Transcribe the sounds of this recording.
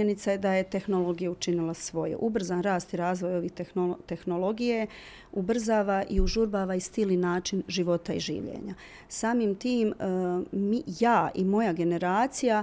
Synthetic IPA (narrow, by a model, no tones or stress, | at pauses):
enit̪saed̪aje̞t̪e̞xno̞lo̞ɡijaut͡ʃinilasʋo̞jṵʔubr̩zaːnɾaːst̪iɾaːzʋo̞jo̞ʋit̪ot̪e̞xnolo̞ɡije | ubr̩zaːʋaʔiuʒuɾbaːʋaist̪ilninaːt͡ʃinʒiʋo̞t̪aḭʒḭːʋʎḛːɲa | saːmimt̪iːm | mijaːʔimo̞jaɡe̞ne̞ɾaːt̪sija